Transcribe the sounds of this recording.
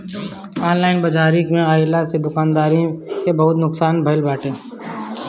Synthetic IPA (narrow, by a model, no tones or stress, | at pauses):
aːnlaːɪnbɐd͡ʒaːɾikmẽaːjlased̪ʊkaːnd̪aːɾĩkebɐɦʊt̪nʊksaːnbʱəlbaːʈʰẽː